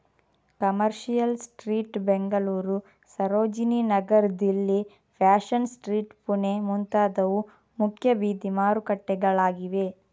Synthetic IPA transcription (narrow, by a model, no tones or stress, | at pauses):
kɐmɐɾʃijɐlsʈɾiːʈbeŋɡɐluːɾu | sɐɾoːd͡ʒininɐɡɐɾd̪ilːi | pʰaːʃɐnsʈɾiːʈpunemunt̪aːd̪ɐʋu | mukʰjɐbiːd̪imaːɾukɐʈːɛɡɐɭaːɡiʋe̞